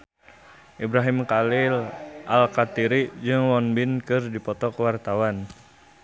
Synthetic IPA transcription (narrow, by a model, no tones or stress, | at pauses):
ʔibɾaɦimkalɪlʔalkat̪iɾid͡ʒɨŋwɔnbɪnkɨrdipɔt̪ɔkəwart̪awan